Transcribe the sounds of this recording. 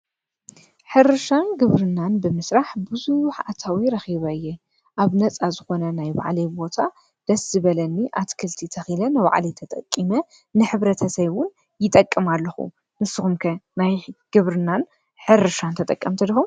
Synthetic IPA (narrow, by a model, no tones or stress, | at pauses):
ħɨɾɨʃanɡɨβɾɨnːanbɨmɨsɾaħbɨzuħat̪ʰawiɾɐxiβɐɨjːɛ | ʔaβnɐt͡sʼazɨxo̞nɐnajba̰ʕlibo̞t̪ʰa | d̪̥ɐszɨβɐlɐnːiʔat̪kʰɨlt̪ʰit̪ʰɐxilɐnɨβa̰ʕlit̪ʰɐt̪ʼɐ̰kʼːimɐ | nɨħɨβɾɐt̪ʰɐsɐwʊn | jɪt̪ʼɐkʼːɨmalːɐxṵ | nɨsɨxumkʰɐnajɡ̥ɨβɾɨnːan | ħɨɾɨʃant̪ʰɐt̪ʼɐkʼːɐmt̪ʰɐd̪ɐxum